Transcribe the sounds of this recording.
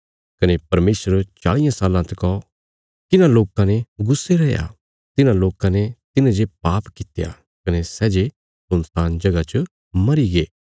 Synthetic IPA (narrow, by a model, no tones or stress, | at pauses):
kɐnepɐɾmeːsəɾt͡ʃa̰ːɽɪjãsaːlãt̪ɛkɔ | t̪ɪnãloːkãneɡʊsːeɾɛja̰ | t̪ɪnãloːkãnet̪ɪnãd͡ʒepaːpkɪt̪eja̰ | kɐnesɛːd͡ʒe | sʊnt̪aːnd͡ʒɐɡat͡ʃə | mɐɾiɡeː